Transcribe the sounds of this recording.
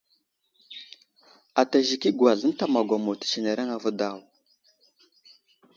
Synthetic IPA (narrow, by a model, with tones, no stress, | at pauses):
a˨ta˨ʒi˨ki˦ɡwa˨ɮə˦n˦ta˦ma˨ɡʷa˨mo˨ti̥˨t͡ʃi˨ne˨ɾa˦ŋa˨və˦da˦˨w